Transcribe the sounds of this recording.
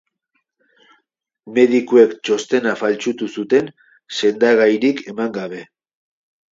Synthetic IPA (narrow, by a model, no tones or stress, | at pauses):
me̞ðikue̞kt͡ʃo̞st̪e̞nafalt͡sut̪usut̪e̞n | se̞nd̪aɣajɾike̞maŋɡaβ̞e̞